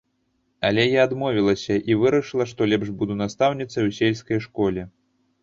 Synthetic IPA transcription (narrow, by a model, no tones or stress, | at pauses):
alʲɛjaːd̪mɔvʲilˠɐsʲɐʔivɨɾɐʂɨlˠɐʂt̪ɔlʲɛpʂbud̪unast̪awnʲit̪sɐjwsʲɛlʲskɐjʂkɔlʲɛ